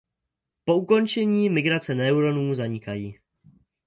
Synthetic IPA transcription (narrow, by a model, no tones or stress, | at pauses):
po̞uko̞nt͡ʃɛɲiːmɪɡɾat͡sɛnɛuɾo̞nuːzaɲɪkajiː